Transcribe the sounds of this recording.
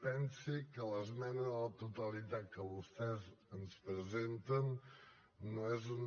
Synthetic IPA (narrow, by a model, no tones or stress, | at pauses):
pɛnsikələzmɛnəðələt̪ut̪əlit̪at̪̚kəβust̪ɛzənspɾəzent̪ənː | oezun